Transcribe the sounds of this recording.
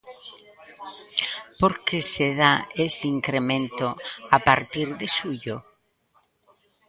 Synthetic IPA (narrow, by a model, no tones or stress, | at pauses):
poɾkeseðaesiŋkɾemẽnt̪oapaɾt̪iɾðesuʎo